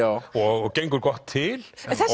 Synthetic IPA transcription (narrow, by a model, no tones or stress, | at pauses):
ɔɡɛŋɡʊɾɡɔt̪ʰːɪl